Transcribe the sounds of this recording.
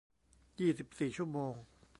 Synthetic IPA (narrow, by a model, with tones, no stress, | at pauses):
jiː˥˩si˨˩p̚siː˨˩t͡ɕʰu˥˩əmoː˧ŋ